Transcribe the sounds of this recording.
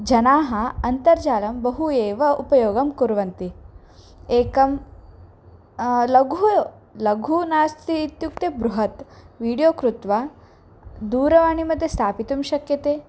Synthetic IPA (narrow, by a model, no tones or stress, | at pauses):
d͡ʒɐnaːɦɐɐnt̪ɐɾd͡ʒaːlɐmbɐɦueːʋɐupɐjoːɡɐmkuɾʋɐnt̪i | eːkɐm | lɐɡɦu | lɐɡʱunaːst̪ʰit̪juk̚t̪ebɾuɦɐt̪ʋiːɽijoːkɾut̪ʋa | d̪uːɾɐʋaːɳimɐd̪ʱːjest̪ʰaːpit̪umʃɐkjɐt̪eː